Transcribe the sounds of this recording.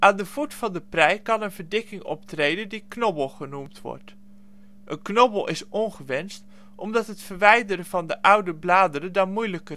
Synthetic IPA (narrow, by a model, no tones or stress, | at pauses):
ʔaːndəv̥utfɑndəprɛjkɑnənvəɹdɪkɪŋɔ̰ptrejdəndiknɔbəlˠχənumtʋɔ̰ɹt | ʔənknɔbəlˠʔɪsɔnχəʋɛnst | ʔɔmdɑtɦətfəɹʋɛjdərəvɑndəʔʌwdəblaːdərədɑnmujləkər